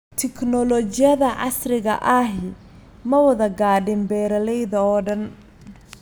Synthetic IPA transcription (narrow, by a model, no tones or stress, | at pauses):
t̪ʰɪkʰnɔlɔt͡ʃɪjɐðɐʕɑ̰srɪɣɐ̰ʔɐɦɪ | mɐwɐðɐɡaːɖɪmbɛːɾɐlɛjðɐɔːɖɐn